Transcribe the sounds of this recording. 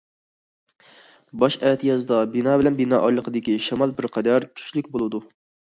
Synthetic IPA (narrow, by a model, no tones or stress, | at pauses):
bɑʃɛt̪ʰjɑzɨd̪ɑbinɑːbɪlɛnbinɑʔɑjlˠəqʰəd̪ɪkʲiʃɛmɑlˠbɪɾqʰɛd̪æɾkʲʰy̥t͡ʃlykʲbolˠɨd̪u